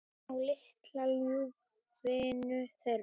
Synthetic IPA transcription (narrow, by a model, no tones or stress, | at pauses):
awlɪht̪lalu | vɪːnʏθɛɾ